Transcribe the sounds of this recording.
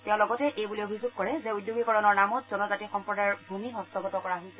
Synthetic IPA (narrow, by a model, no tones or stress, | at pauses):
tɛʊ̃lɔɡɔtɛʔejbuliobʱizʊɡ̚kɔɹɛzɛujdjoɡikɔɹɔnɔɹnamɔtz̥ɔnɔzatixɔmpɹɔdaɹbʱumiɦɔstɔɡɔtɔkɔɹaɦojsɛ